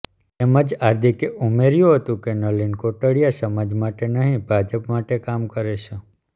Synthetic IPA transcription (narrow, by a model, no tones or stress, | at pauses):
t̪eməd͡ʒaɾd̪ʱikeumeɾjũɦət̪ũkenəlinkoʈəɽijasəmad͡ʒmaʈenəɦĩbʱad͡ʒəpmaʈekamkəɾet͡ʃʰe